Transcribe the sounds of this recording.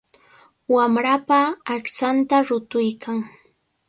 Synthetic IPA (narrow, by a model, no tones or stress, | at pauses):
wamɾapaːksant̪aɾʊt̪ʊjkʰaŋ